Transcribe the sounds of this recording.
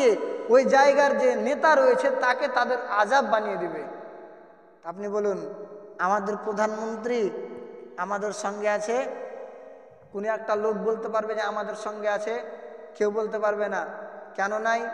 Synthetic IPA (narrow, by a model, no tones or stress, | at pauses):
eojd͡ʒaeɡaɾd͡ʒenet̪aɾoet͡ɕʰet̪aket̪ad̪eɾad͡ʒabːanijed̪ibe | t̪ap̬nibolunamad̪eɾpɾod̪ʱanmont̪ɾi | amad̪eɾʃɔŋɡeat͡ʃʰe | konoɛk̚ʈalok̚bolt̪epaɾbed͡ʒaamad̪eɾʃɔŋɡeat͡ʃʰekewbolt̪̬epaɾbenakɛnonaj